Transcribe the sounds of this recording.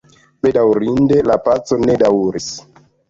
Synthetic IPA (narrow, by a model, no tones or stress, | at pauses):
ɓe̞dawɾindelapat͡so̞nedawɾis